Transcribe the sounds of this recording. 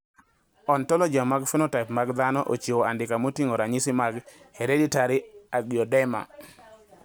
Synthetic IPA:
ɔntɔlɔd͡ʒiamaɡfɔnotaɪpmaɡd̪anɔʔo̰t͡ʃewoandɪkamotiŋoɾaɲɪsɪmaɡ | heɾeditaɾɪaɡiɔdɛma̰

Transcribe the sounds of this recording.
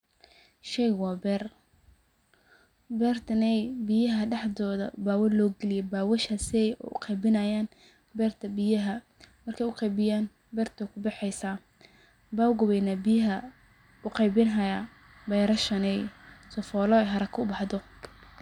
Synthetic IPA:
ʃɛjwɑːbɛːr | bɛːrt̪ʰɐnɛjbɪjɐɦɐɖɑħd̪ɔːðɐ̰baːwɐlɔːɡɛlɪjɛbaːwɐʃasɛj̰ʊ̰qɑjbɪnɐjaːn | bɛːrt̪ʰɐbɪjɐɦɐ | mɐrkʰɛjʊqɑjbɪjaːn | bɛːrt̪ʰɔkʰʊbɑħɛjsaː | baːwʊɡʊβɛjnabɪjɐɦɐ | ʊqɑjbɪnɦɐjaː | bɛjɾɐʃɐnɛjsɔfɔːlɔɛɦɐɾɐkʰɐʊbɑħd̪ɔ

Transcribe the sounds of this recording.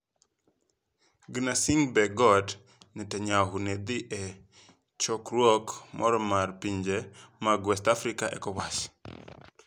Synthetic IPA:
ɡinasiŋbɛɡɔd | nɛtɛɲaɦuned̪iʔɛ | t͡ʃɔkɾwokmʔɔ̰ɾɔmarpiɲd͡ʒemaɡwɛstafɾikaʔɛkɔwas

